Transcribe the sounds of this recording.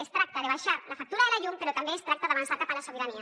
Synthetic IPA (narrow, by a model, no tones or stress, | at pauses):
est̪ɾak̚t̪aðeβajʃaɾlafak̚t̪uɾaeɾaʝumpeɾot̪ambeest̪ɾak̚t̪aðaβansak̪apalasoβeɾania